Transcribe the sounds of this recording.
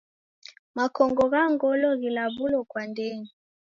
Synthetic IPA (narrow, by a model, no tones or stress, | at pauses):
makɔŋɡɔɣaŋɡɔlɔɣilaβulɔkwandɛni